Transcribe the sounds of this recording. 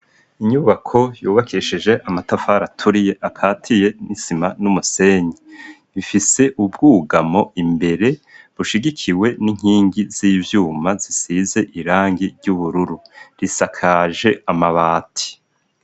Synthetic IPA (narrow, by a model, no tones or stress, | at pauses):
iɲuβakʰo̞juːβakʰiʃiʒe̞ʔamatafaːɾatʰuɾije̞ʔakʰaːtʰije̞nisimanumuse̞ːɲi | βifise̞ʔubɡuːɡamo̞imbe̞ɾe̞βuʃiɡikʰiwe̞niŋ̥iːŋɡiz̥iːvjuːmazisize̞ʔiɾaːŋɡiɾɟuβuɾuɾuɾisakʰaːʒe̞amaβaːtʰi̥